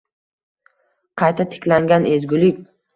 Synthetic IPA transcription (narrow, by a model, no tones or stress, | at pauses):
qʰɑjt̪ʰat̪ʰɪ̥kʲlaŋɡʲane̞zɡʲʊlɪkʲ